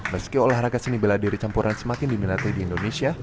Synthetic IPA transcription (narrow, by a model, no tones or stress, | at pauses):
məskiolahraɡasənibəladiɾit͡ʃampuɾʔansəmakɪndiminat̪ajdiːndonesia